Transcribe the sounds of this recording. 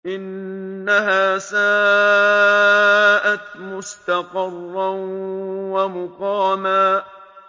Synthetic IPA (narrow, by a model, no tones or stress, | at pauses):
ʔɪnːaɦaːsaː | ʔat̪mʊst̪ɑqɑrˤːanwamʊqɑːmaː